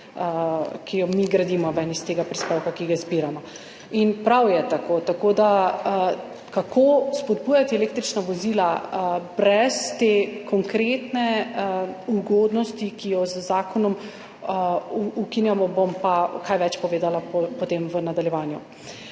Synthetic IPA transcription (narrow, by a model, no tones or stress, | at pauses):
kijɔmiɡɾad̪iːmɔʋɛnist̪eːɡapɾispeːwkakiɡazbiɾamɔ | inpɾawjɛt̪akot̪akod̪a | kakʰospɔd̪bujat̪iɛleːk̚t̪ɾit͡ʃnaʋɔzilabɾɛst̪ekʰɔŋkɾeːt̪nɛ | uɡɔd̪nɔst̪ikijɔzəzaːkɔnɔm | ukinjamɔbompakajʋɛt͡ʃpɔʋeːd̪alapɔpɔt̪eːmʋənad̪aljɛʋaːnju